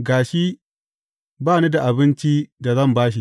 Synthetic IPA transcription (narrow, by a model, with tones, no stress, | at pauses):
ɡaː˨ʃi˦ | baː˦˨ni˦da˨ʔa˨bɪ˦nt͡ʃi˦da˨zɐ˦˨mbaː˦ʃ̬i˨